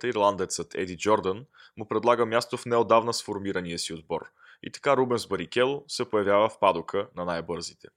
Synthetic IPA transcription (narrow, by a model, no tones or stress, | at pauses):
t̪iɾlˠand̪ɛt̪sət̪ʰɛ̰d̪id͡ʒɔɾd̪ən | mʊpɾɛd̪lˠaɡəmʲjast̪ofnɛod̪avnəsfoɾmiɾəniəsiod̪bɔ̰ɾ | ḭt̪ɐ̥kaɾubɛnzbəɾikʲɛlˠosɛpojɐvʲjavəfpad̪ʊkʰənɐnajbɤɾzit̪ɛ̥